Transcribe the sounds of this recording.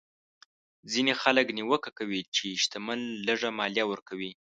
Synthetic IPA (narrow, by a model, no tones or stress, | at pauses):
zinexaləkniwəkakawit͡ʃeʃt̪aməlːəʐamɑljawəɾkawi